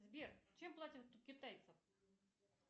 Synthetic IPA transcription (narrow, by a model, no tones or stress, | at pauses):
zʲbʲirt͡ɕɛmplˠatʲɪt̪ːut̪̚kʲɪt̪ajt̪səf